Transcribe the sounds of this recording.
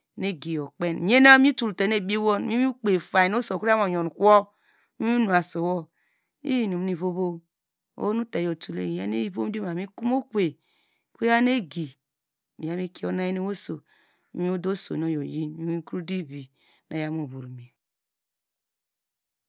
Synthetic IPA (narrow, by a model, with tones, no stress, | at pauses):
ne˦ɡi˨jo˨k͡pe˦n˨e˦na˦mi˦tu˨lte˨ne˦˨bi˦wo˦n˦mi˦u˦k͡pe˨fa˨i˨no˦so˨ku˦a˦mo˨jo˨n˨kwɔ˦ | mi˦i˦nu˨a˨so˨wo˦ | ḭ˦ji˨nu˨m˦ni˨βo˦βo˦ | o̰˦nu˦ta˨jo˨tu˨lḛ˦˨ja̰˦ne˦ji˦βo˦m˦di˦ma˨mi˦ku˦mo˦kʷe˨ | kʷu˦i˦a˦ne˦ɡi˨ | mi˨ja˦mi˦ki˦o˦na˦ji˦ne˦wo˦so˨˦ | mi˦o˦do˦so̰˨no˦jo˨ji˦ni˦mi˦ku˦di˦bi˨ | na˨ja˦m˦o˨bo˨ɾmi˨